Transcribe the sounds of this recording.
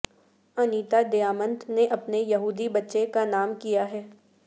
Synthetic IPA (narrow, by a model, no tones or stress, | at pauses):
ɐniːt̪ad̪ejaːmə̃nt̪neʔɐpnejɐɦuːd̪ibɐtːʃekanaːmkijaɦɛː